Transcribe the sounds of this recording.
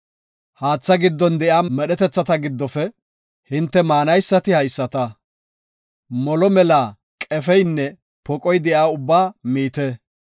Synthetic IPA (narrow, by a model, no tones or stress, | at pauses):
haːt͡sːɐɡɪd̪ːɔnd̪ɛʔaːmɛɗɛt̪ɛt͡sːɐt̪ɐɡɪd̪ːɔfɛ | hɪnt̪ːɛmaːnɐjsːɐt̪ɪhɐjsːɐt̪ɐ | mɔlɔmɛlaː | kʼɛfɛjnːɛ | pɔkʼɔjd̪ɛjaːʊbːaːmiːt̪ɛ